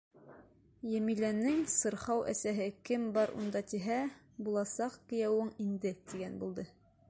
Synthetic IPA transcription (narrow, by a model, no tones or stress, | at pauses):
jæmilænɘŋsɤ̆ɾhɑwʔæ̰sæɦɘkɘmbɑɾṵnd̪ɑt̪iɦæ | bulˠɑsɑqkɘ̆jæwɘŋind̪ɘt̪iɡænbulˠd̪ɤ